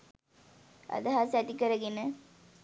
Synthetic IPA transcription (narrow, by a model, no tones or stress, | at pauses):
ɐ̰d̪əɦasæt̪ikəɾəɡenə